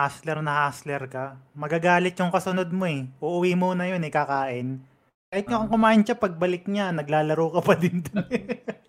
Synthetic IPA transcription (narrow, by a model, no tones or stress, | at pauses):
haslɛɾnɐhaːslɛɾkɐmɐɡaːɡaːlɪt̪̚jʊŋkɐsʊnod̪̚mo̞ɛʔuʔʊwimonɐjonɛkakaːʔɪn | kaːhɪt̪ɲoʔɐŋkʊmaːʔɪnt͡ʃapɐɡ̚bɐlɪk̚ɲanɐɡlaːlɐɾoːkɐpɐd̪ɪnd̪onɛ